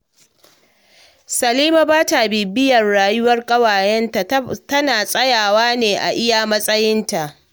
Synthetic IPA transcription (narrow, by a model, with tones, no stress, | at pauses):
sɐ˨liː˦ma˨baː˦ta˨biː˨bɪ˦jɐ˨rɽaː˨jʊ˦wɐ˦rkʼɐ˦waː˨jɛ˦n˨tɐ˦naː˨sʼɐ˦jaː˨waː˦neː˨ʔa̰˨ʔɪ˦ja˨mɐ˦sʼɐ˦jɪ˦nta˨ʔ